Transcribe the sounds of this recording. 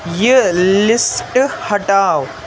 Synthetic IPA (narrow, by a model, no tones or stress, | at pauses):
jəlisʈhɐʈaw